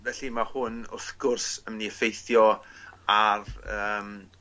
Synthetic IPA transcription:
vɛɬimahʊnʊθɡʊrsəmniəfejθjɔarəːm

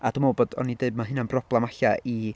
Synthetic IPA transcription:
ad̥umɔwbɔdɔ̰nideɨb̚maɦɨnanbrɔblˠɛmaɬaʔi

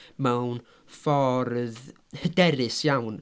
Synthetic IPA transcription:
mɛwn | fɔrð | hədɛɾɪsjawn

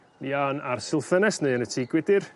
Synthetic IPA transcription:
nianarsɪlˠfənɛsneɨənətʰiːɡwɪdɪr

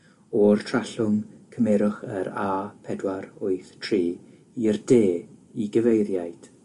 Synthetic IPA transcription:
ɔrtʰraɬʊŋkʰəmɛɾʊχə̰ɾaːpʰɛdwaɾʊɨθtʰriː | irdeːiɡəvejɾjajd̥

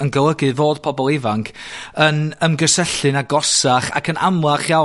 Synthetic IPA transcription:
ənɡəlˠəɡɨvoːd̥̚pʰɔbɔlˠɪvaŋkʰənəmɡəsɛɬɨnaɡɔsaχa̰kʰəna̰mlˠaχja

